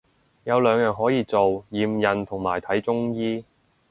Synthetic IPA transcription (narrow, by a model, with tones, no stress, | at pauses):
jɐ˨˧wlœː˨˧ŋjœː˨ŋɦɔː˨˥jiː˨˧t͡so˨wjiː˨˧mjɐ˨nt̪ʰʊ˨˩ŋmaː˨˩jt̪ʰɐ˨˥jt͡sʊ˥ŋjiː˥